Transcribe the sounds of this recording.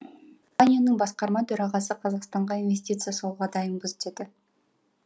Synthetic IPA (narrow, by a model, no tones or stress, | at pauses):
ɑnʲijonəɴbɑsqɑɾmɑt̪ʰɵɾɑʁɑsəqʰɑzɑqst̪ɑɴʁɑinve̞sʲt̪ʲit̪sɨjasolˠʁɑd̪ɑjəmbʊzt̪ed̪ɪ